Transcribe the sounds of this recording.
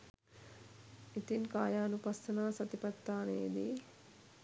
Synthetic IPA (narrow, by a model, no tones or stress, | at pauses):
it̪inkaːjaːnupast̪ɐnaːsɐt̪ipat̪ːaːneːd̪i